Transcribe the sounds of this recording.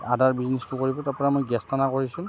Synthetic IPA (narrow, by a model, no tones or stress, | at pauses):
adaɹbiznɛstukoɹibɔtaɹpɔɹamojɡɛstanakoɹisũn